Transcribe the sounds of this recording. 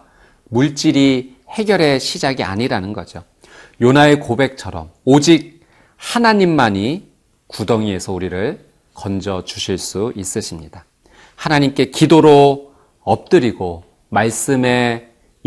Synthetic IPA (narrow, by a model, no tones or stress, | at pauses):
muɭt͡ɕ͈iɾi | he̞ɡjʌɾe̞ɕʰid͡ʑaɡia̰ɲiɾanɯnɡʌd͡ʑo | jonaekobe̞k̚t͡ɕʰʌɾʌ̰mod͡ʑik̚ | hanaɲimːaɲi | kudʌŋie̞sʰʌuɾiɾɯɭ | kʌnd͡ʑʌt͡ɕuɕʰiɭs͈uis͈ɯɕʰimɲida | hanaɲimk͈e̞kidoɾo | ʌp̚t͈ɯɾiɡo | maɭs͈ɯme̞